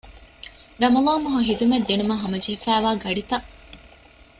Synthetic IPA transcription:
ɾɐmɐlaːmuɦɐɦid̪umed̪ːenumɐɦɐmɐd͡ʒeɦefæːʋaːɡɐɖit̪ɐʔ

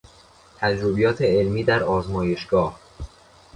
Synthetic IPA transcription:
t̪ʰæd͡ʒɾobijɒːt̪ʰeelmiːd̪æɾɒːzmɒːje̞ʃɡ̥ɒːh

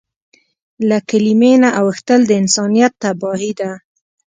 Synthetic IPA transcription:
lakalimenaʔawəxt̪əld̪əɪnsɑnijat̪ːabɑɦid̪a

